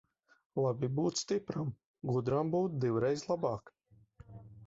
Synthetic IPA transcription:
lˠabʲibuːt̪sst̪ipɾam | ɡud̪ɾambuːt̪̚d̪iwɾɛjzlˠabɑːk

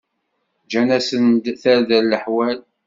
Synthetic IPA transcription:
d͡ʒænæsənd̪θælðællːəħwæl

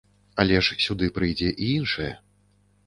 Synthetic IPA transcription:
alʲɛʂsʲud̪ɨpɾɨjd͡zʲɛʔiinʂɐjɛ̰

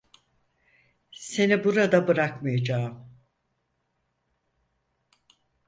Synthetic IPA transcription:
se̞nibuɾad̪abɯɾakmajad͡ʒaːm

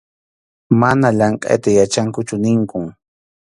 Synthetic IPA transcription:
manaʎaɴqʼa̰jt̪ajat͡ʃaŋkʊt͡ʃʊnɪŋkʊŋ

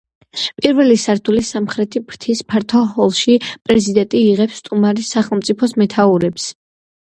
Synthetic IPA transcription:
pʼiɾvɛlisaɾt̪ʰulisamχɾɛt̪ʰibʰɾt̪ʰispʰaɾt̪ʰɔhɔlˠʃipʼɾɛzid̪ɛnt̪ʼiːʁɛpsːt̪ʼumaɾisaχɛlˠmt̪sʼipʰɔsmɛt̪ʰauɾɛps

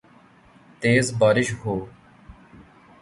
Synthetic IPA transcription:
t̪eːzbaːɾɪʃɦoː

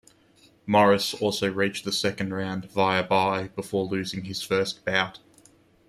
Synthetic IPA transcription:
mɑɹɪsɔˑlˠsəʊɹit͡ʃðəsɛkə̃ndɹæ̃nvaɪəbaɪb̥əfɔːlʉːzɪ̃ŋɪz̥fɜˑstb̥aʊt

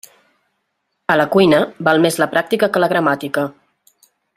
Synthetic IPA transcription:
ələkujnəbalˠmezləpɾak̚t̪ikəkələɣ̞ɾəmat̪ikə

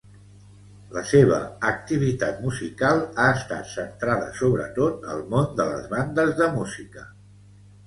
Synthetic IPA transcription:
ləseβ̞ə̰ək̚t̪iβ̞it̪at̪muzikalˠaəst̪a̰t̪sənt̪ɾaðə̰soβɾə̰t̪ot̪̚ə̰lˠmond̪ələ̰zβand̪əzðəmuzikə

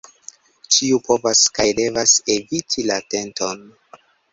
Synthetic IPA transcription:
t͡ʃiupo̞vaskajde̞vase̞vitʰilate̞nto̞n

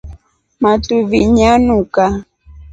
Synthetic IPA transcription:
matuviɲanuka

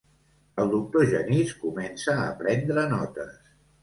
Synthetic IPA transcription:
əlˠd̪uk̚t̪oʒəniskumɛnsəːpɾɛnd̪ɾənɔt̪əs

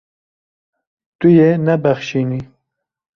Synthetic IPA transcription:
t̪ujenɛbɛxʃiːni

